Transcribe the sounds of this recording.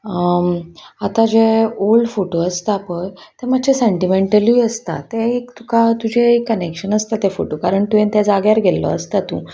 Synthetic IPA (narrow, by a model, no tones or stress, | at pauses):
at̪ad͡ʑeolɖfoʈoəst̪aːpəɾt̪emadt͡ɕʰeseɳʈimeɳʈəliːəst̪a̰t̪ẽekt̪ukat̪ud͡ʑʱeekːənekɕənəst̪at̪efoʈokaɾəɳt̪uẽnt̪jad͡zaɡjaɾɡʱelːɔ̰ə̰st̪at̪ṵ̃